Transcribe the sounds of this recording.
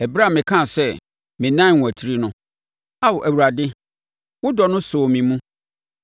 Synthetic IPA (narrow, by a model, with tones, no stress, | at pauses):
ɛ˨bɾa˦˨mɪ̃˨kʰã˦˨sɛ˦ | mɪ̃˨nã˦˨æ˨tʰi˦ɾi˦nʊ̃˦ | a˦wɔ˨ʔæ˨wu˨ɾa˨dɪ˦ | wʊ˦dɔ˨nʊ̃˦soː˨mĩ˨mũ˦